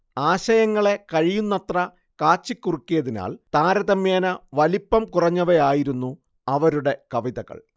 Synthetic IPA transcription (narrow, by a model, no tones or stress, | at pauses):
aːɕɐjɐŋːɐɭe̞kɐɻijunːɐt̪rɐ | kaːt͡ɕːikʲːurikːijɐðina̰ːlt̪aːɾɐðɐmjaːnɐʋɐlipːɐmkurɐɲːɐʋejaːjiɾunːu | ɐʋɐɾuɽe̞kɐʋiðɐɣɐ̰ɭ